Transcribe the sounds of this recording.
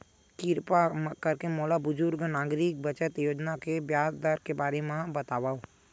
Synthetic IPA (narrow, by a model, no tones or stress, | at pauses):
kɪɾpakəɾkemoːlabʊd͡ʒʊɾɡnaːɡɾɪk̚bət͡ʃət̪joːd͡ʒnakebjaːzd̪aːɾkebaːɾemãbət̪aːʋaːo